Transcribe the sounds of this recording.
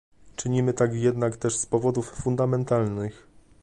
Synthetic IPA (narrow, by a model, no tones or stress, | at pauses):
t͡ʂɘɲimɘt̪akjɛd̪nakt̪ɛʂspɔvɔd̪ufːund̪amɛnt̪alnɘx